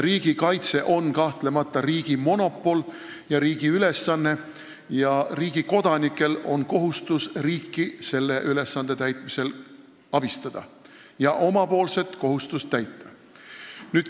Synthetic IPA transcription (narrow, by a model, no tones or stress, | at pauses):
riːɡ̥ikɑjt̪se̞ʔo̞nkɑht̪le̞mɑt̪ːˑɑriːɡ̥imo̞no̞pːˑo̞l | jɑɾiːɡ̥iyle̞sːɑnːe̞ | jɑriːɡ̥iko̞d̪̥ɑnikːˑe̞lo̞nko̞ɦust̪usriːkːise̞lːe̞ʔyle̞sːɑnd̪̥e̞t̪æjt̪ˑmise̞l | ɑb̥ist̪ɑd̪̥ɑ̰ | jɑʔo̞mɑpo̞ːlse̞t̪ko̞ɦust̪ust̪æjt̪ːˑɑ | nyːd̪̥